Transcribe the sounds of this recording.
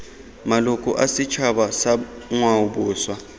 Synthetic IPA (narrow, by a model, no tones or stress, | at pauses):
malokʰʼuʔasit͡ʃʰaɓasaŋwauɓuːswa